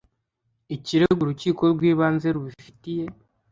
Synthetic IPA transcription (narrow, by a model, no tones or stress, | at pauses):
iciɾeɡuɾuciːko̞ɾɡwiːβaːnze̞ɾuβifi̥tije̞